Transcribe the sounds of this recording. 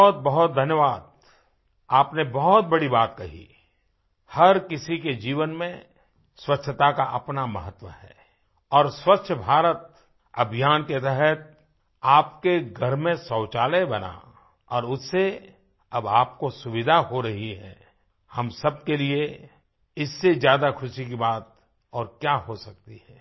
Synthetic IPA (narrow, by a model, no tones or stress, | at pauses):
ɦt̪̚bɐɦʊt̪̚d̪ʱənjəʋaːd̪̚ | aːpnebɐɦʊt̪̚bɐɽibaːt̪̚kɐɦḭ | hɐɾkɪsiked͡ʒiːʋənmẽ | swətːʃʰət̪akaʔɐpnamə̰ɦət̪wəhɛ̰ː | ɔːɾswətːʃʰəbʱaːɾət̪̚ | ɐbʱijaːnket̪ɛɦɛt̪̚ | aːpkeɡʱɐɾmẽsɔːt͡ʃaːlebɐna̰ | ɔːɾʊsse | ɐbaːp̚kosʊʋɪd̪ʱaɦoɾɐɦiɦɛ̰ː | hɐmsɐb̚kelie | ɪsːezjaːd̪akʰʊʃikibaːt̪̚ | ɔːɾkjaɦosɐk̚t̪iɦɛː